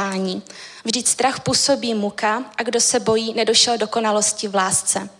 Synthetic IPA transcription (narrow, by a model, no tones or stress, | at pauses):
aːɲiːvʒdɪcst̪ɾaxpuːso̞biːmukaʔaɡdo̞sɛbo̞jiːnɛdoʃɛldo̞ko̞nalo̞scɪvlaːst͡sɛ